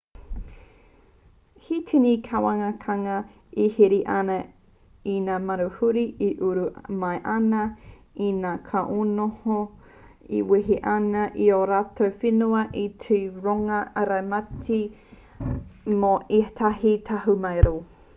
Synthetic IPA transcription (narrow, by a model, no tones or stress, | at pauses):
hitʰinikʰawaŋɐkʰɐŋɐ | ihiɾiʔɐnɐ | inaːmɐɾuhuɾiiʔuɾumɐjʔɐnɐ | inaːkʰaʔonoho | ḭwiɦiʔɐnɐʔioɾaːtowfinuɐʔitʰuɾoŋɐɐɾɐmɐtʰi | moitʰaɦitʰɐɦumɐjɾoː